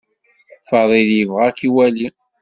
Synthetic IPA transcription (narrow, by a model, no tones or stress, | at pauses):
fəðˤiðjəvʁækiwæli